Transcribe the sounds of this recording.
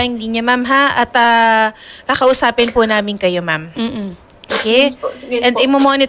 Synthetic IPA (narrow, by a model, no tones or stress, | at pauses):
ɪŋd̪iɲɐmamɦaʔɐt̪ɐ | kɐkɐʔʊsaːpɪnpʊnaːmɪnkɐjo̞mamː | ʔokɛjʔɛnd̪ɐjmomoːnɪt̪